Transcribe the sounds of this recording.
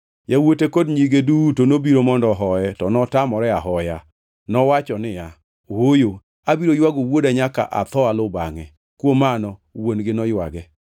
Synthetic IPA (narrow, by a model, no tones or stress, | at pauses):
jawotekodɲiɡedutonobiɾomɔndɔɦɔɛtɔnɔtamɔɾɛaɦɔja | nɔwat͡ʃɔnɪa | wojo | abiɾojwaɡowodaɲaka̰ʔa̰t̪ɔalʊba̰ŋɛ | kwomanɔwonɡɪnɔjwa̰ɡɛ